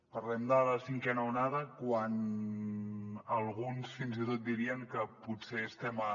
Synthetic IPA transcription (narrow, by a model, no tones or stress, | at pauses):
pəɾlɛmd̪ələsiŋkɛnəunaðəkwan | əlˠɣ̞unsfinzit̪ot̪̚d̪iɾiəŋkəpuseːst̪ɛmə